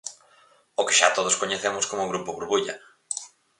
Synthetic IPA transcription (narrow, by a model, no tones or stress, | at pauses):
okɪ̥ʃat̪oð̞oskoɲeθemʊskomʊɣɾupoβuɾβuʎɐ